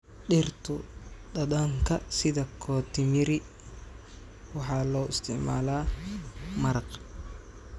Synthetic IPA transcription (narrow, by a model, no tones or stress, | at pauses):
ɗɪrt̪ʰʊɗ̪ɐd̪aːŋkʰɐsɪðɐkʰɔːt̪ʰɪmɪɾɪ | wɑħɑːlɔːɪst̪ʰɪʕma̰ːlaː | mɐɾɐq